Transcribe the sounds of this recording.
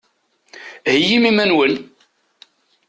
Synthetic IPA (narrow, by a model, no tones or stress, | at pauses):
həjimimænwəl